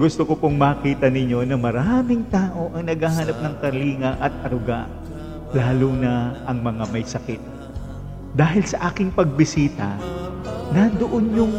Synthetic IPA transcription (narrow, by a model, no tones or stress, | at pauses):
ɡʊst̪okopoŋmɐkiːt̪ɐnɪɲːo̞nɐmɐɾaːmɪŋt̪aːʔo̞ʔɐŋnɐɡahanɐp̚nɐŋkɐliːŋɐʔɐt̪̚ɐɾʊɡaʔ | laːlunɐʔɐŋmɐŋamɐjsɐkɪt̪̚ | d̪aːɦɪlsɐʔaːkɪŋpɐɡ̚bɪsiːt̪ɐ̰ | nɐd̪oʔonɲʊŋ